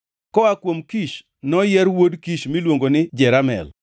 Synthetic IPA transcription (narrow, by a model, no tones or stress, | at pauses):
kɔakwomkiʃ | nɔjɛɾwodkiʃmilwoŋɡonɪd͡ʒɛɾamɛ̰l